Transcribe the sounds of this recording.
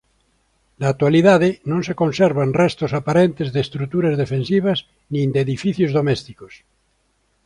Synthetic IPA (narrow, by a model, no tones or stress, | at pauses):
laːk̚t̪waliðaðenõnsekõnseɾβanrest̪osapaɾent̪ezðest̪ɾut̪uɾazðefẽnsiβ̞az | nĩnd̪eðifiθjozðomest̪ikos